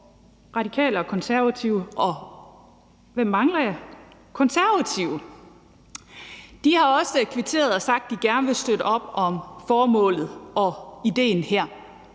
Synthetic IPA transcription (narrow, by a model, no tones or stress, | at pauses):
ʁɑ̈ɾ̥ikʰɛ̰ːləɒ̽kʰɒ̽nsæɐʋæt͡sʰiʊəʔɒ̽ | ʋem̰ːɑ̈ŋlɐjɑkʰɒ̽nsæɐʋæt͡sʰiʊə | d̥ihɑ̈ɒ̽səkʰʋet͡sʰe̝̰ːɐðˠɒ̽sɑ̈ɡ̥̚d̥iɡ̥æɐnəʋe̝sd̥øɾ̥əɒ̽b̥ɒ̽mfɒːmɔ̰̽ːlð̞̩ˠɒ̽id̥e̝̰ːnheɐ̰